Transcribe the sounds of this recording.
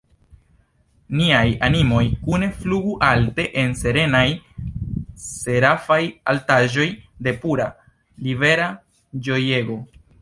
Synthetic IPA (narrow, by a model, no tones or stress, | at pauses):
niajanimo̞jkune̞fluɡuʔalte̞ʔe̞nse̞ɾe̞naj | se̞ɾafajaltaʒo̞jde̞puɾa | live̞ɾa | d͡ʒo̞jeɡo̞